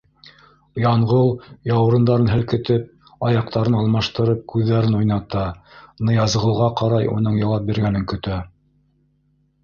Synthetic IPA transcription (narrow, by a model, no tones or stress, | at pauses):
jɑɴʁɤw̪ˠjɑwɾɤ̆nd̪ɑɾɤnɦɘ̆lkɘ̆t̪ɘp̚ | ɑjɑq̚t̪ɑɾɤnɑlˠmɑʃt̪ɤ̆ɾɤp̚kʉðːæɾɘnujnɑt̪ɑnɤ̆jɑzʁɤ̆lˠʁɑqɑɾɑjṵnɤɴjɑlˠɑp̚biɾɡænɘŋkɵ̆t̪æ